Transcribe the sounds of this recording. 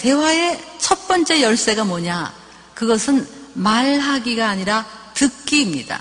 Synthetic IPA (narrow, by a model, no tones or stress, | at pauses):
te̞wae̞t͡ɕʰʌt̚p͈ʌnt͡ɕ͈e̞jʌɭs͈e̞ɡamoɲa | kɯɡʌsʰɯnmaɭɦaɡiɡaːɲiɾatɯkk̚k͈iːmɲid̥a̰